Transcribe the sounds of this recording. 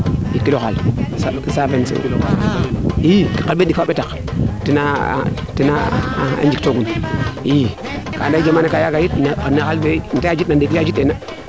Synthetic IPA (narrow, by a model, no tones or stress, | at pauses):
jikːiloxa̰lsakisavensḛkilo̰ka̰ikḁkalbedikfaɓetak | tina̰ | tinaa̰nd͡ʒiktoɡuni | ka̰ndaid͡ʒamanakajaɡajitnxalbentaad͡ʒitnandikilad͡ʒitːena